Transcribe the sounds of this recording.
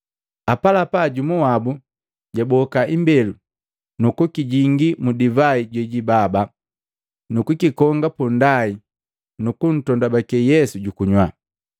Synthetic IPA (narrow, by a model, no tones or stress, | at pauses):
apalapaɟumuwabu | ɟabɔkaimbɛlu | nukukiɟiŋɡimudivaiɟwɛɟibaba | nukukikɔŋɡapundai | nukun̩tɔndabakɛjɛsuɟukuɲwa